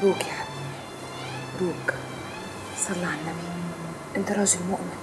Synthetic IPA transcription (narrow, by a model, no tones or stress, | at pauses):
ɾuːkjaħad̪ | ɾuːk | sˤɑlːɑʕalːam | ʔɪnt̪ɨɾˤɑːʒɪlmʊʔmɪl